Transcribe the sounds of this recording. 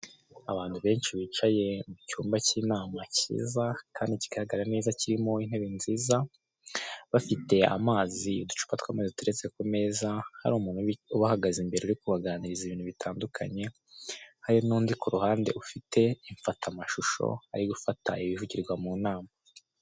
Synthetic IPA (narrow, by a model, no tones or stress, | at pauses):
aβaːnhuβe̞ːnʃiβit͡ʃaje̞mucuːmbaciːnaːmacḭːzakaːndiciɡaɾaɡaɾane̞ːzaciɾimo̞in̥he̞βinziːza | βafite̞a̰maːziudu̥t͡ʃu̥patkwaːmaːzituɾe̞t͡se̞kume̞ːzaha̰ɾuːmuːn̥huuβahaɡazimbe̞ɾeuɾikuβaɡaːniɾiziβiːnhuβitʰaːndukʰa̰ɲe̞ | haɾinuːndikuɾuhaːnde̞̰ʔufitʰe̞iɱfatʰamaʃuʃo̞̰aɾiɡufata̰iβivuɟiɾɡwamuːnaːma